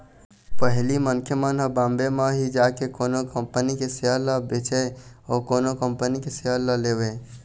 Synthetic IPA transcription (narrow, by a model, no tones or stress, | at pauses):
pəɦlimənkʰjəmənɦəbãmbemeɦid͡ʒakekoːnokəmpənikeseɦələbet͡ʃɛɔːkoːnokəmpənikeseɦələlebe